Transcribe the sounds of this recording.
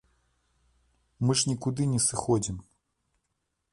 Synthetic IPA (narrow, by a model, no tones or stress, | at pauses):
mɨʐnʲikud̪ɨnʲɛsɨxɔd͡zʲim